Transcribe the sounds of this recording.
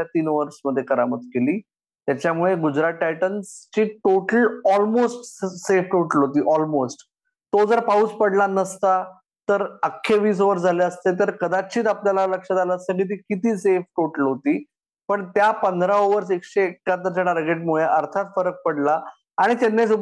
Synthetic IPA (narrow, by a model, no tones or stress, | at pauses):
at̪iːnʋəɾsməd̪ʱːjekəɾamət̪keliː | t̪jat͡ɕjamuɭeɡud͡ʑɾaʈːajʈənst͡ɕiːʈoʈəlɔlmosʈsefʈoʈəlɦot̪̬iːʔɔlmosʈ | t̪od͡zəɾpauːspəɽlanəst̪a | t̪əɾəkʰːeʋiːs̬oʋəɾsd͡zʱaleəst̪et̪əɾkəd̪at͡ɕiːt̪apljalaləkʂəd͡zaləsəɡit̪̬iːkit̪iːsefʈoʈəlɦot̪iː | pəɳt̪japənd̪ʱɾaoʋəɾs̬ekɕeːkːat̪əɾt͡ɕaʈaɾɡeʈ̚muɭeʔəɾt̪ʰat̪fəɾək̚pəɽlaː | ɽ̃it̪anːes̬u